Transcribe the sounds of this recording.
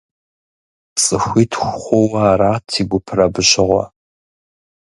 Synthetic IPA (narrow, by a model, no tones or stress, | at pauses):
t͡sʼɨxʷitʰxʷχʷowaːɾatʰiɡʷʊpʰrabɨɕɪʁʷa̰